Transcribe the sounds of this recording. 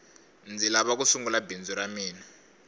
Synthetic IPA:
nd͡zilaβak̬usuŋɡulabind͡zuɾamiːna

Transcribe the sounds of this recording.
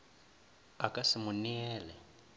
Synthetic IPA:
akʼasɪmuniɛːlɛ

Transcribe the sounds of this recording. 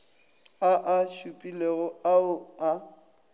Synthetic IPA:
aʔaʃupʼileɣʊaʊa

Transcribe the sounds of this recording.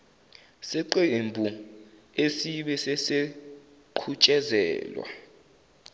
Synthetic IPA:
sɛǃembʱu | esiɓɛsɛse | ǃʰut͡ʃʼɛzɛ̰ːlwa̰

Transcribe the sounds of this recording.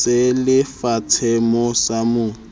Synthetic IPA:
elɪfat͡sʰɛmɔsamʊ

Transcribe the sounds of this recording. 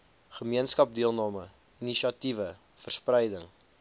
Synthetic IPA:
χəmiənskɐp̚diəlˠnɑːmə | iniʃɐtivə | fərsprɛjdəŋ

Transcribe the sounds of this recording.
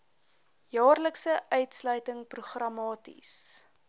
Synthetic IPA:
jɑːrləksəʔœɥtslœɥtəŋpruχrɐmɑːtḭs

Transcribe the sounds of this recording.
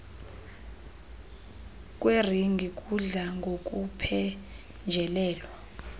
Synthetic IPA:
k̬ʼweriŋɡʱikʼuɮaŋɡʱokʼupʰɛ | nd͡ʒʱɛlɛːlɔ

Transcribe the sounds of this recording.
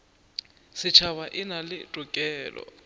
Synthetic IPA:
sɪt͡ʃʰaβaʔɪnalɪtʼʊkʼɛːlɔ̰

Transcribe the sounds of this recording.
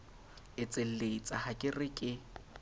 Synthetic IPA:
ɪt͡sʼel̩leit͡sʼahakʼɪrɪkʼɪ

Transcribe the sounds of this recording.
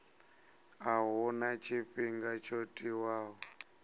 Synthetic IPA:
aɦunat͡ʃʰiɸiŋɡat͡ʃʰotʼiwaːɦɔ

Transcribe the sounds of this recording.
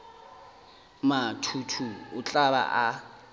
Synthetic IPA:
matʰutʰuʊt͡ɬʼaba̰ʔa

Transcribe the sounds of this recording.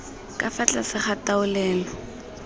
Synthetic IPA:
kʼafat͡ɬʼasɪχataʊlɛːlɔ

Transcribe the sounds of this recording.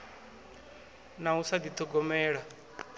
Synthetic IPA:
nausad̪it̪ʰɔɡɔmɛːɺa

